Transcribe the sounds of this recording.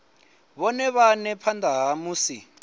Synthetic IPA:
βɔnɛβanɛpʰandʱaɦamuːsi

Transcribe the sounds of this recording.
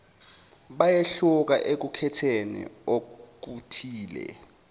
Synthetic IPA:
ɓajeɬuk̬a̰ʔek̬ukʰɛtʰenḭok̬utʰiːlɛ̰

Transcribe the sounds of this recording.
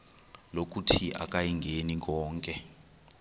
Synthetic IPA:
lok̬ʼutʰiʔa̰k̬ʼajiŋɡʱenik̬ɔːŋkʼɛ

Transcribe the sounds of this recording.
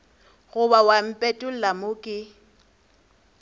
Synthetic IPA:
ɣʊbawam̩pʼɛtʼʊlamʊkʼɪ

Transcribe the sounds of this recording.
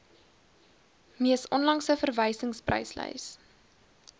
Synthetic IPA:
miəsɔnlɐŋsəfərvəjsəŋsprə̰jslə̰js

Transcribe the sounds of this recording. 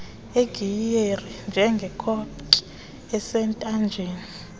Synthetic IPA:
eɡ̥ʱierind͡ʒʱɛŋɡʱɛkʰɔpkʼi̥ | ɛsɛntʼand͡ʒʱeːni

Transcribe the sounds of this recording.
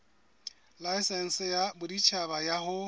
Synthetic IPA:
lajsɛn̩sjabʊdit͡ʃʰabajaɦʊ

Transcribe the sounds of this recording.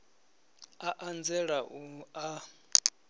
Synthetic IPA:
aʔand͡zɛɺaua

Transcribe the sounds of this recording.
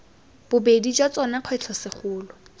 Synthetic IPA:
b̥ʊbedit͡ʃʼwat͡sɔnaq͡χʰwɛt͡ɬʰɔsɪχʊːlɔ

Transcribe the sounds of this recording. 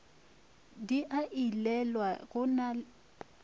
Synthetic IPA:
diʔaʔilɛlwaɣʊna

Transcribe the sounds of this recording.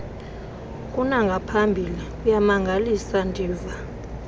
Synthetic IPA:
kʼunaŋɡʱapʰambʱilikʼujamaŋɡʱalisandʱiːva

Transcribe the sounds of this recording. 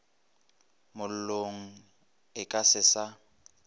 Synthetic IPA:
mʊl̩loŋ̩ | ɪkʼasɪsa

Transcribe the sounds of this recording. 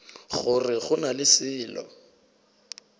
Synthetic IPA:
χʊrɪχʊnalɪsɪːlɔ̰

